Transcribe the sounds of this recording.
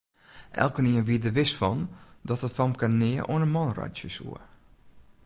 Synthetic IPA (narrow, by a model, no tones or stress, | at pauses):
ʔɛ̰lˠkəniənʋiədəʋɪsfɔndɔtətfɔmkanɪəʔo̰ənənmɔnrɔ̰jtəsṵə